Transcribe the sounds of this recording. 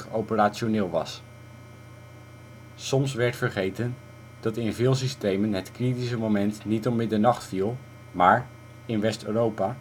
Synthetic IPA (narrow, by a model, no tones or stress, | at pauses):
owpəraːʃonɪːlˠʋɑ̰s | sɔmsʋɛɹtfəɹχejtən | d̥ɑtɪnvɪːlˠs̬istejmənɦətkritisəmomɛntnitɔpmɪdəɹnɑχtfilˠ | maːɹ | ɪnʋɛstøːrowpaː